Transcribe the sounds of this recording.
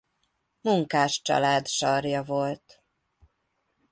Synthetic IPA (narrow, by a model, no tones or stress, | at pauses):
muŋkaːʃt͡ʃɒ̰laːd̪ʃɒrjɒvo̞lt̪